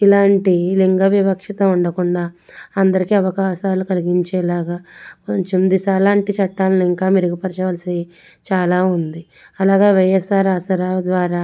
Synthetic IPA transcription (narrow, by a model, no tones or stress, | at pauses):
ilaːɳʈiliŋɡɐʋiʋɐkʂɐt̪ɐuɳɖɐkuɳɖaːɐnd̪ɐɾikiɐʋɐkaːʃaːlukɐliɡiɲt͡ʃɛːlaːɡaːkoɲt͡ʃemd̪isaːlaːɳʈit͡ʃɐʈːaːlɐnuiŋkaːmiɾuɡipɐɾɐt͡ʃɐʋɐːlɐsi | t͡ʃaːlaːund̪i | ɐlaːɡeːʋɐjɛsaːɾaːsɐɾaːd̪ʋaːɾaː